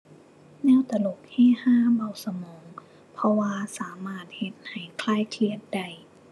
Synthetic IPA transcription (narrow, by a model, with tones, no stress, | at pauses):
nɛː˥˨wt̪a˧lu˨˩k̚hɛː˧˥˨haː˧˥˩ba˧˩wsa˧mɔː˩˦ŋ | pʰɔ˧waː˧saː˩˦maː˧˥˩t̪̚he˧˦t̪̚ha˨˩jkʰlaː˧˥˨jkʰli˧ən̚da˧˩j